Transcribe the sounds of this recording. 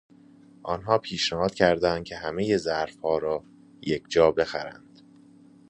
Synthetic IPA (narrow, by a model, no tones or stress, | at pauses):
ʔɒnɦɒːpʰiːʃnæhɒːd̪̥cʰæɾd̪ænd̪̚cʰe̞ɦæmejezæɾfhɒːɾɒː | jecd͡ʒɒːbe̞xæɾæ̰nd̪̥